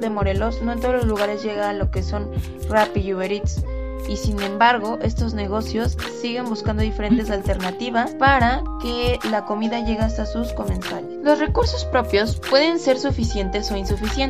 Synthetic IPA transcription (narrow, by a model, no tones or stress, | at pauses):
ðemo̞ɾe̞lo̞sno̞ent̪oololuɣ̞aɾe̞zʝe̞ɣaːlo̞ke̞so̞n | rapiuβeɾit̪s | isinẽ̞mbaɾɣo̞ʔe̞st̪o̞zne̞ɣ̞o̞sjo̞sːiɣe̞mbuskand̪oðife̞ɾe̞nt̪e̞s̬alt̪e̞ɾnat̪iβaspaɾake̞lako̞miðaʝe̞ɣeast̪asusko̞mẽ̞nt̪aleslo̞sre̞kuɾso̞spɾo̞pjo̞spwe̞ðe̞nse̞ɾsufisje̞nt̪e̞so̞insufisjen